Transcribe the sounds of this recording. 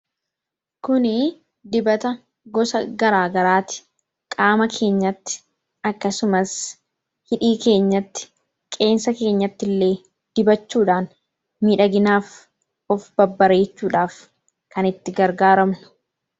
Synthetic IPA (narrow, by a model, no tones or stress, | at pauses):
kʊnɪ | d̪ɪbɐt̪ɐ | ɡɔsɐɡɐɾaːɡɐɾaːt̪ɪ̥ | kʼaːmɐkʰe̞ːɲːɐt̪ːɪ̥ | ɐkːɐsʊmɐs | hɪᶑiːke̞ːɲːɐt̪ːɪ̥ | kʼe̞ːnsɐke̞ːɲːɐt̪ːɪlːe̞ː | d̪̥ɪbɐt͡ʃːuːᶑaːn | miːᶑɐɡɪnaːf | ɔfbɐbːɐɾe̞ːt͡ʃːuːᶑaːf | kɐnɪt̪ːɪɡɐɾɡaːɾɐmnʊ̥